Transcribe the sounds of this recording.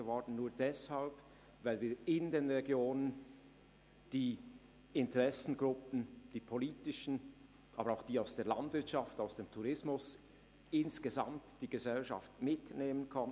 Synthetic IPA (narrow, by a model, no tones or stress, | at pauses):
əvɔʁdn̩nuːɐdɛshalp | vaɪlviːɪndeːnʁeɡjoːnən | d̥iː | ɪntəʁɛsn̩ɡʁʊpn̩d̥iːpʰoliːtɪʃn̩ | ʔɑːbəɾaʊxd̥iːaʊsd̥eːɐla̰ndvɪɐtʃaftaʊsd̥eːmtʰuʁɪsmʊs | ɪnsɡ̥əza̰mtd̥iːɡ̥əzɛlʃa̰ftmɪtneːmənkʰɔn